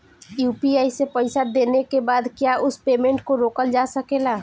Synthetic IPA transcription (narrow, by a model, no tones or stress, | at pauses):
juːpiaːisepəɪsad̪eːnekebaːd̪kjaʔʊspeːmẽɳʈkoɾoːkəld͡ʒasəkela